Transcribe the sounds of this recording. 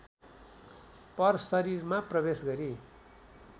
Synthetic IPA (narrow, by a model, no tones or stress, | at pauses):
pʌrsʌɾirmaprʌbesɡʌɾi